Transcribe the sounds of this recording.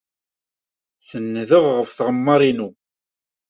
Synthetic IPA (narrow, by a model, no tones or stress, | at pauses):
θənːðəʁʁəfθʁəmːɑɾˤinu